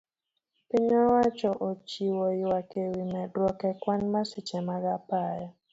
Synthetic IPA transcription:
pɪɲɔwat͡ʃɔʔot͡ʃiwɔjwakewimɛdwɔkɛkwanmasɪt͡ʃɛmaɡapajɔ

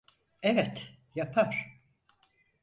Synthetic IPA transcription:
ɛvɛt̪ | japʰaɾ̥

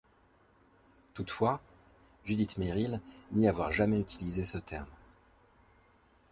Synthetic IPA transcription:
t̪ut̪fwa | ʒyd̪it̪meʁilniavwaʁʒamɛyt̪ʰilizesət̪ʰɛ̰ʁm

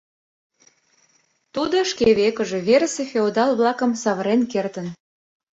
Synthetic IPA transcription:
t̪ud̪oʃkeβekə̆ʒe̽βeɾəsefeod̪ɑlβlɑkə̆msɑβəɾenkert̪ən

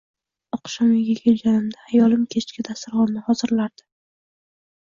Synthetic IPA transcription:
ɒqʃɒmɪɡʲeɡʲɪld͡ʒanɪmd̪aajɒlɪmkʲʰet͡ʃkʲɪd̪ast̪ɪɾʁɒnnɪhɒzɪɾlaɾd̪ɪ

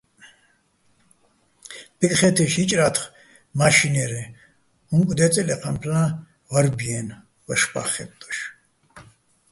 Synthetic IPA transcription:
b̥ikʼχɛt̪ʰɛʃit͡ʃʼɾat̪ʰχ | maʃinɛɾi | huŋkʼd̪ɛt͡sʼɛlɛqʰampʰlã | vaɾbiɛn | vɐʃpa̰χɛ̰p̚t̪ʼɔ̥ʃ

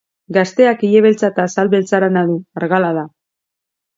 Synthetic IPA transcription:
ɡast̪e̞akiʎeβe̞lt͡sat̪aːsalβelt͡saɾanaðuaɾɣalaða

